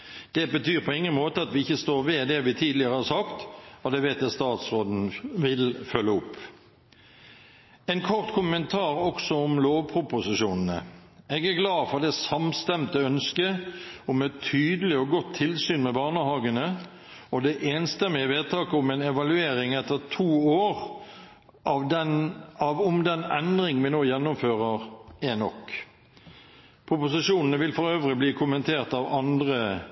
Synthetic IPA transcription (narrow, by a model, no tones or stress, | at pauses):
d̪̥ɛbət̪ʰyːʁpʰɔɪŋːənmoːt̪əɑt̪ʋɪɪçːəst̪oːɾʋed̪ɛʋɪt̪ʰiːd̪lɪəʁəhɑsɑkt̪ɔd̪ɛʋeɪt̪̚d̪ɛst̪ɑːt̪sʁoːd̪n̩ʋɪlfœlːəʊpː | ɛɪnkʰɔʁt̪kʰʊmənt̪ʰɑːɾɔksɔʊmloːʋpʰɾʊpʊsɪʃuːnən̩ə̰ɛɡæʁɡlɑːfɔʁd̪ɛsɑmst̪ɛmt̪əœnskəʊmɛt̪ʰːyːd̪əlɪɔɡɔt̪ʰːɪlsyːnmɛbɑːnəɦɑːɡənə | ɔd̪ɛʔeːnst̪ɛmɪɪʋeːd̪̚t̪ʰɑːkəʊmɛnɛʋɑlʉeːɾɪŋɛt̪ːəʁt̪ʰuːoːɾ | ʔɑʋd̪ɛnɑʋʊmd̪ɛnɛnd̪ɾɪŋənʋɪnoːjɛnːʊmføːʁəʁɛnɔ̰k | pʰʊpʊsɪʂuːnən̩əʋɪlfɔɾøːʋɾɪbliːkʰʊmənt̪ʰeːʁt̪ɑʋɑnd̪ʁə